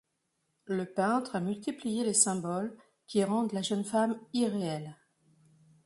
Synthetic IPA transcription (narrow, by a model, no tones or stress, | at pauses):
ləpɛ̃t̪χamylt̪iplijelesɛ̃bɔl | kʲiʁɑ̃d̪laʒənfamiʁeɛl